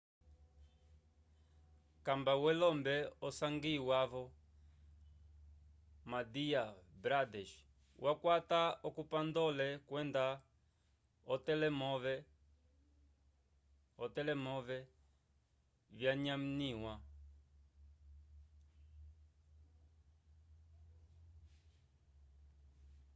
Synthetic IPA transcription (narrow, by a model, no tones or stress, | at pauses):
kambawɛlɔmbɛɔsaŋɡiwavɔ | madiabɾadɛʃ | wʔakwat̪aɔkupand̪ɔlɛkwɛnda | ɔtɛlɛmɔvɛ | ɔt̪ɛlɛmɔvɛ | vjaɲam̩niwa